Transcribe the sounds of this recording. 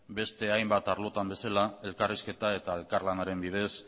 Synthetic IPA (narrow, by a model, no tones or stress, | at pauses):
be̞st̪e̞ajmbat̪aɾlo̞t̪ambe̞salae̞lkariske̞t̪ae̞t̪ae̞lkaɾlanaɾe̞mbiðe̞s